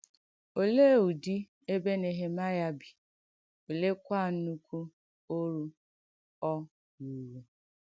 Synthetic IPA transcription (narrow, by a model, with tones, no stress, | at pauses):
o˨le˦˨u˨di˦ | e˦be˦ne˨ɦe˦ma˦ja˦bi˨ | o˨le˦kʷa˦˨n̩˦nu˦kʷʰu˦ | o˦ɾu˦ | ɔ˦ | wu˨ɾu˨